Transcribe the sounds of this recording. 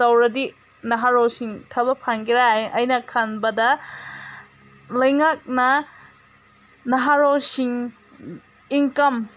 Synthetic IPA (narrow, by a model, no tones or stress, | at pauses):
tɐwɾɐdi | nɐɦaɾowsiŋtʰɐbɐpʰaŋɡiɾajʔɐjnɐkʰanbɐdɐ | lɐjŋak̚nɐ | nɐɦaɾowsiŋ | iŋkɐm